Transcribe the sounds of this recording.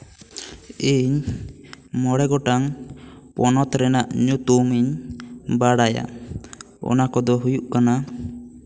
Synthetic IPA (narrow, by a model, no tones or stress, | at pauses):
iɲ | mɔɽɛɡɔʈaŋpɔnɔt̪ɾɛnaʔɲut̪umiɲbaɽaja̰ | ɔ̰nakɔd̪ɔɦujuʔkana